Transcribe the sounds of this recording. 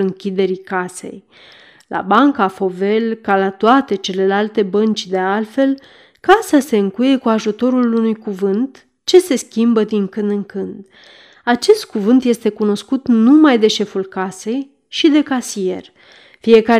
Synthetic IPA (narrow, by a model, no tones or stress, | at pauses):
ɨŋkʲid̪e̞ɾikase̞̰j | lʔa̰baŋkafo̞ve̞lkalat̪oat̪e̞t͡ʃe̞le̞lalt̪e̞bənt͡ʃʲd̪e̞alfe̞l | kasase̞ɨŋkuje̞kuaʒut̪o̞ɾulunujkuvɨnt̪ | t͡ʃe̞se̞skʲimbəd̪iŋkɨnd̪ɨŋkɨnd̪ | at͡ʃe̞st̪̚kuvɨnt̪je̞st̪e̞kuno̞skut̪numajd̪e̞ʃe̞fulkase̞j | ʃid̪e̞kasije̞̰r | fie̞ka